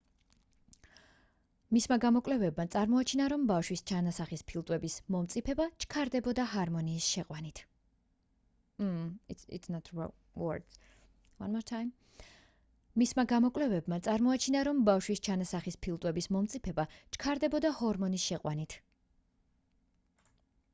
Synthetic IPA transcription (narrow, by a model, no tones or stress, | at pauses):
mismaɡamɔkʼwlɛvɛbmat̪sʼaɾmɔat͡ʃʰinaɾɔmbafʃwist͡ʃʰanasaχispʰilˠt̪ʼwɛbismɔmt̪sʼipʰɛbat͡ʃʰkʰaɾd̪ɛbɔd̪aɦaɾmɔniːsʃɛqʼwanit̪ʰ | ḭt̪snat̪ʰ | wɔ̰d | wa̰nmɔɾt̪ʰajm | ismaɡamɔkʼlɛvɛbmat̪sʼaɾmɔat͡ʃʰinaɾɔmbafʃwist͡ʃʰanasaχispʰilˠt̪ʼwɛbismɔmt̪sʼipʰɛbat͡ʃʰkʰaɾd̪ɛbɔd̪ahɔɾmɔnisʃɛqʼwanit̪ʰ